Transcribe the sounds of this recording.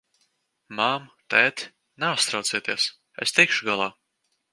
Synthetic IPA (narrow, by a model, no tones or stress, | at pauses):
mamt̪ɛːt̪ʲ | naast̪ɾawt̪siɛt̪iɛs | ḛst̪ikʃuɡalˠaː